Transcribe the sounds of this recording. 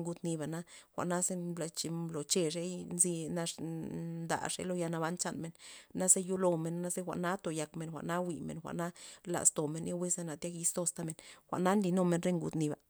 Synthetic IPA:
ŋɡu˧t̪ni˧ba˨na˦xʷa̰˨ʔna˦ze˦bla˧t͡ʃi˧lo˨t͡ʃe˧ʂe˦jnzi˧na˧ʂnd̪a̰˨ʂḛ˦lo˦ja˧na˧ba˦nt͡ʃa˧nme˧˦nna˦ze˦ju˦lo˧me˧nːa˦sze˦xʷa̰˨ʔna˦t̪o˧˨ja˧kme˧nxʷa̰˨ʔna˦wi˧mḛ˨nxʷa̰˨ʔna˦la̰˨st̪o˨me˨nja˦wi˦se˧na˨t̪ja˦ki˧st̪o˧st̪a˧me˨nxʷa̰˨ʔna˦nli˧no˧me˧nɾe˦ŋɡṵ˧t̪ni˧ba̰˨

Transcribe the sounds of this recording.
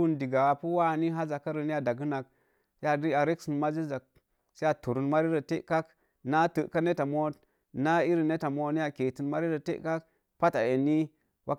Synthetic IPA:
u˦ndi˨ɡa˨a˨pu˦wa˦˨ni˦ɦa˦za˨ka˦ɾə˨ni˦ja˨da˨ɡɨ˦na˨k | ja˦di˦a˨ɾe˦ksi˨nma˦d͡ʒi˦za˨k̚ | sa˦a˨tu˨ɾu˨nma˦ɾi˦ɾə˨te˦ka˦k | na˦tə˨ʔka˦ne˦ta˨mo˦t | na˦i˦ɾi˨ne˦ta˨mo˨ni˦ja˨ke˨ti˨nma˦ɾi˦ɾə˨tḛ˦ka˦k | pa˦ta˨je˨ni˦ | wʔa˦

